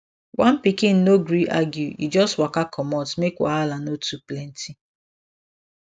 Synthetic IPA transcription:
wʔan̩pikɪn̩noɡɾiʔa̰ɡjuḭd͡ʒɔstwakakʰɔmɔtmekwa̰alanotuplɛn̩tʰi

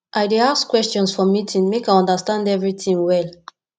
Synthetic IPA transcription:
ʔajdeaskwɛstɔ̃nsfɔmitʰĩŋmekajɔ̃ndəstãndɛvɹiθĩŋwɛl

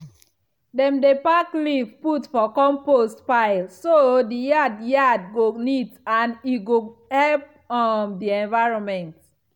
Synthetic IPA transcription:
dɛ̃mdepaklivputfɔkɔ̃mpostpaɪlsodijadjad̚ɡonitãniɡohɛlp̚ | ɔmdiɛ̃nvaɪɹɔ̃nmɛ̃nt

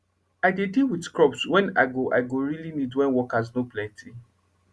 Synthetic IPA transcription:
aɪdedilwidkɹɔpswɛ̃na̰ɪɡoʔa̰ɪɡoɹilinidwɛ̃nwɔkaznoplɛ̃ntʰi

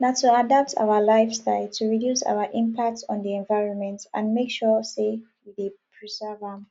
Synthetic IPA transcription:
natʰːuadap̚tʰa̰ʊəlaɪfstaɪltʰuɹidjusa̰ʊəʔĩmpʰak̚tɔ̃ndiɛ̃nvaɪɹɔ̃nmɛ̃ntãnmekʃɔsewidepʰɹizɜvãm

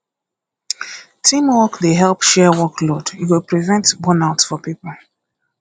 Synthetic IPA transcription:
tʰĩmwɔkdeɦɛlˠpʃɛwɔklod̥jiwɪlpɹivɛ̃ntbɔnaʊtsfɔpipəl̩

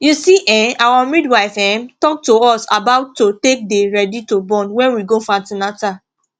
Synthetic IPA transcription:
jusiʔɛ̃awamidwaɪfɛ̃mtɔk̚toɔsa̰baʊtːotek̚deɹɛditobɔ̃nwɛ̃nwiɡofãtinata

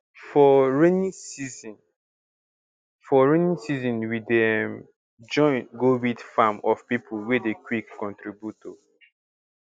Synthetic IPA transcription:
fɔɹenĩsiz̃n | fɔɹenĩsizɔ̃nwidɛm | d͡ʒɔ̃ɪ̃nɡowidfamɔfpipʰulwedekwikːɔ̃ntɹibjuto

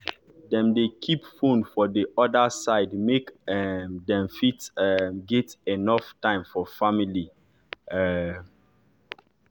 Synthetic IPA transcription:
dɛ̃mdekʰipfõnfɔdeʔɔdasaɪdmekɛdɛ̃mfitɛɡɛtenɔftãɪ̃mfɔfamili | ɛ

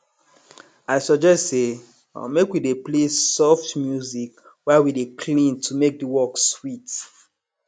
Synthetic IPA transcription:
aɪsɔd͡ʒɛstsḛ | mekwideplesɔftmjuzik | wɛwidekʰlĩntʰumek̚diwɔkswit

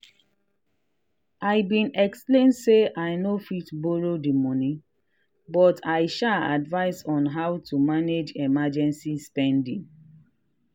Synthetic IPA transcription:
ʔaɪbĩnɛksplẽndseʔaɪnofitboɹodimɔnĩ | bɔtʰaɪʃaa̰dvaɪsɔ̃nɦawtumaned͡ʒɛmad͡ʒɛ̃nsispɛ̃ndĩŋ

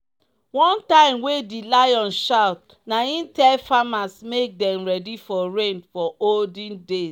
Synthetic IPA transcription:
wɔ̃ntãɪ̃mwedilajɔ̃nʃaʊt̚ | naĩntɛlfamasmek̚dɛ̃mɹɛdifɔɹẽnfɔoldĩndes

